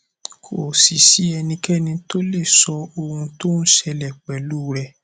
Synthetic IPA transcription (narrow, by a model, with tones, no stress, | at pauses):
kʰo˨si˨ʃi˨˦ɛ˧nĩ˧kɛ˦nĩ˧to˦le˦˨sɔ˧o˧hũ˧to˦ñ̩˦ʃɛ˧lɛ˨k͡pɛ˨lu˦˨˦ɾɛ˧